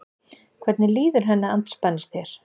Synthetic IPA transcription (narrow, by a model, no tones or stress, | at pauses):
kʰvɛɾt̪nɪliːðʏɾ̥ɦɛnːaant̪spanːɪst̪θjɛɾ̥